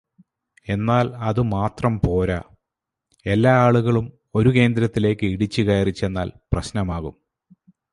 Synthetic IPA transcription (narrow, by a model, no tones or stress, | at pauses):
e̞nːaːlɐðɨmaːt̪rɐmpo̞ːɾa | e̞lːaːaːɭuɣɐɭum | o̞ɾuke̞ːnd̪ɾɐt̪ːile̞ːkːɨiɽit͡ɕːuɣɐjɐrit͡ɕːe̞nːaːlprɐɕnɐmaːɣum